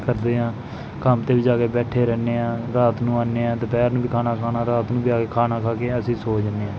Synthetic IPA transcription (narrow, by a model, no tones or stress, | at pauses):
kəɾd̪eːɦãː | kəmt̪eːbɪd͡ʒaːkeːbɛːʈʰeːɾɛːneːãːɾaːt̪nũːaːneːãːt̪eːpɛːɾnũːbiːkʰaːnaːkʰaːnaːɾaːt̪nũːbiːaːkeːkʰaːnaːkʰaːkeːəsĩːsoːd͡ʒneːãː